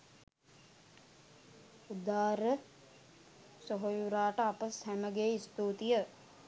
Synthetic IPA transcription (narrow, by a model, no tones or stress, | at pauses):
ud̪aːɾə | soɦojuɾaːʈəapəshæməɡeːist̪uːt̪ijə